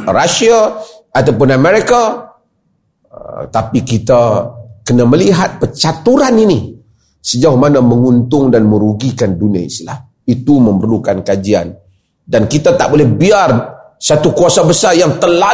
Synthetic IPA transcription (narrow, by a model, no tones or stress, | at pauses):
rasia | at̪awpʊnamɛɾika | t̪apikit̪akənaməliɦat̪̚pərt͡ʃat̪uɾanini | səd͡ʒauhmanaməŋunt̪ʊŋdanmə̃ɾuɡikandunia̰ḭsila̰h | it̪umə̃mbərlukankad͡ʒia̰n | dankit̪at̪aʔbolɛhbiar | sat̪ukuasabəsarjaŋt̪əla